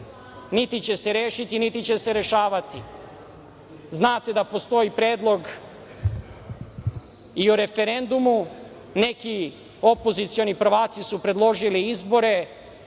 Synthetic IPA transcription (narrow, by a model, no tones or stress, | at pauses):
nit̪it͡ɕe̞seɾeːʃit̪init̪it͡ɕe̞seɾe̞ʃaːʋat̪i | znaːt̪e̞d̪apo̞st̪o̞ipɾeːd̪lˠo̞ɡ | iuɾe̞fe̞ɾe̞nd̪umu | ne̞ki | o̞po̞zit̪sio̞nipɾ̩ʋaːt̪sisupɾed̪lo̞ʒiliizbo̞ɾe̞